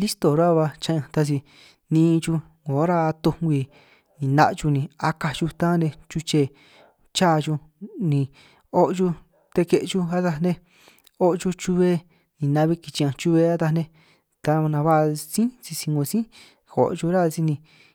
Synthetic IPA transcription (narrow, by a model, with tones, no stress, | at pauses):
li˦st̪o˨ɾa˦˧βa˧t͡ʃã˧ʔã˧t̪a˧t͡ʃi˧ | nĩː˧t͡ʃu˧ | ŋɡõ˨˦ɾa˦˧t̪u˧ɡʷi˧ | nĩ˨nã̰˧ʔt͡ʃu˧nĩ˧a˧ka˧t͡ʃu˧t̪ã˦nẽ˧t͡ʃu˧t͡ʃe˧˨ | t͡ʃa˦˧t͡ʃu˧ | nĩ˨˧ | o˦ʔt͡ʃu˧ | t̪e˧ke˧ʔt͡ʃu˦a˦t̪a˧nẽ˧ | o˦ʔt͡ʃu˧t͡ʃu˧βe˧ | nĩ˨nã˧βi˦ki˨t͡ʃi˧ã˧t͡ʃu˧βe˧a˦t̪a˧nẽ˧ | t̪a˧nã˧βa˦˧sĩ˦t͡si˧si˧ŋɡõ˧sĩ˦ | xo̰˨ʔt͡ʃu˧ɾa˦˧si˧nĩ˧